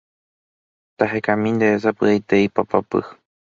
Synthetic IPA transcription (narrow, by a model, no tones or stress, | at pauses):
t̪aɦekamĩnd̪esapɨajt̪eipapapɨ̰